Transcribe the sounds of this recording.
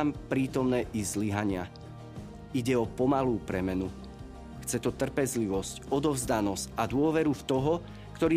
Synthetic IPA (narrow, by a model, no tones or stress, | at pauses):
mpɾiːt̪ɔmnɛːʔizliɦaɲɪa | iɟɛɔpɔmaluːpɾɛmɛnu | xt͡sɛt̪ɔt̪r̩pɛzliʋɔscɔd̪ɔvzd̪anɔscad̪ʊɔʋɛɾuft̪ɔɦɔ | kt̪ɔɾiː